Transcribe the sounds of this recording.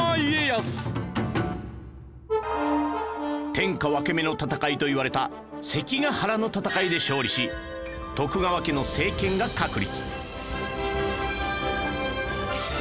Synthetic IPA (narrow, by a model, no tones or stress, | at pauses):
iejasɨ̥ | t̪ẽ̞ŋkaβake̞me̞no̞t̪at̪akait̪o̞iβaɾe̞t̪a | se̞kʲiɡahaɾano̞t̪at̪akaid̪e̞ɕo̞ːɾʲiɕi | t̪o̞kɯ̟ɡaβake̞no̞se̞ːkẽ̞ŋɡakakɯ̟ɾʲit͡sɨ̥